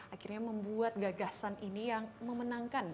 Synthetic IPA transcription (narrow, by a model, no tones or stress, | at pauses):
ʔakirɲaməmbuat̪̚ɡaɡasanʔinijaŋməmənaŋkan